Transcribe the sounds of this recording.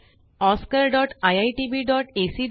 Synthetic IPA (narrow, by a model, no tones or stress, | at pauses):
ɔskəɾɖɔʈajajʈibiɖɔʈesiɖ